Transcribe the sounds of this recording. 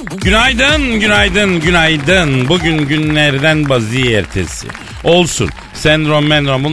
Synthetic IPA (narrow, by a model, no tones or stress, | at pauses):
ɟynajd̪ɯnɟynajd̪ɯnɟynajd̪ɯnbuɟynɟynlʲɛɾd̪ænbaziːɛɾt̪ʰḛsɪ̰ | o̞lˠsṵn | sænd̪ɾomːɛnd̪ɾombun